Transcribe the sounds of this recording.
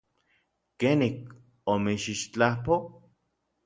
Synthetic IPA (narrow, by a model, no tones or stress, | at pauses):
kenik | omiʃiʃt͡ɬahpo